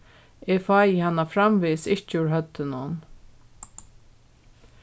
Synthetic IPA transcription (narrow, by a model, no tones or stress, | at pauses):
ɛfaːjɪhanːafɾamvisɪht͡ʃɪʉɹɦœt̪ːɪnʊn